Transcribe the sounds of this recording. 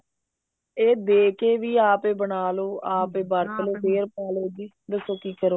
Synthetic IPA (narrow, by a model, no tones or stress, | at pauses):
eːd̪eːkeːʋiːaːpeːbəɳaːloːaːpeːbəːɾt̪əleːd̪eːɾpaːleːd͡ʒ | d̪əsoːkiːkəɾoː